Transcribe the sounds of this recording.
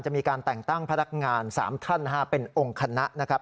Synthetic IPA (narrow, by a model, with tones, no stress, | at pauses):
nt͡ɕa˨˩ʔmiː˧kaː˧nt̪ɛ˨˩ŋt̪a˥˩ŋpʰa˦˥na˦˥k̚ŋaː˧nsa̰ː˩˦mt̪ʰa˥˩nːa˦˥a˦˥pe˧nʔo˧ŋkʰa˧na˦˥ʔna˦˥kʰɾa˦˥p̚